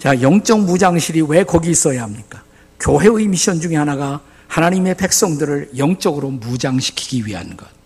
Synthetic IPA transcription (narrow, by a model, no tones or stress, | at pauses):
t͡ɕajʌŋt͡ɕ͈ʌŋmud͡ʑaŋɕʰiɾiwe̞kʌɡiːs͈ʌjaɦamɲik͈ḁ | kjoɦe̞ɯimiɕ͈ʌnd͡ʑuŋe̞ɦanaɡa | hanaɲime̞pe̞k̚s͈ʌŋdɯɾɯɭjʌŋt͡ɕ͈ʌɡɯɾomud͡ʑaŋɕʰi̥kʰi̥ɡiɥiɦa̰nɡʌt̚